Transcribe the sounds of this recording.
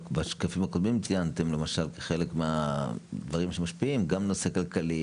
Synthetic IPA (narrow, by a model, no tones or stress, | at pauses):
kbaʃkafimhakod̪mimt͡sijant̪e̞mle̞maʃalke̥χe̞le̞kmead̪vaʁimʃemaʃpiimɡamno̞se̞kalkali